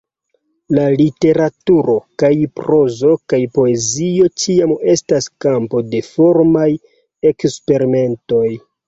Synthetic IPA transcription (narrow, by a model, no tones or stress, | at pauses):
lalite̞ɾatuɾo̞kajpɾo̞zo̞kajpo̞e̞zio̞t͡ʃiame̞staskampo̞de̞fo̞ɾmaj | e̞kspe̞ɾime̞nto̞j